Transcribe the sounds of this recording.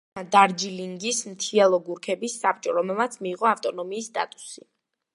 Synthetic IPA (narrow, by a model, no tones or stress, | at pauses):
d̪aɾd͡ʒiliŋɡismt̪ʰiɛlˠɔɡuɾkʰɛbisːap̚ʰt͡ʃʼɔɾɔmɛlˠmat̪sʰmiːʁɔaft̪ʼɔnɔmiːst̪ʼa̰t̪ʼu̥si